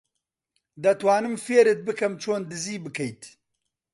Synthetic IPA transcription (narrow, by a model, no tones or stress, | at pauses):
d̪ɐt̪waːnɨmfeːɾet̪̚bɨkɐmt͡ʃʰoːnd̪ɨziːbɨkʰɐjt̪